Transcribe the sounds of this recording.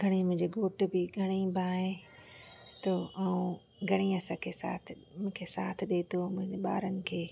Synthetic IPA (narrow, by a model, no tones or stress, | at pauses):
ɡʱɐɽ̃imʊ̃ɦɪ̃ɲd͡ʑeɡoːʈ̆bɪɡʱɐɽ̃ibʱãːɦẽ | t̪oɐũ | ɡʱɐɽ̃iɐsãkʰesa̰ːt̪ʰɪ̆mʊ̃kʰesaːt̪ʰɪ̆ɗeːt̪omʊ̃ɦɪ̃ɲd͡ʑeɓa̰ːɾənɪ̆kʰeː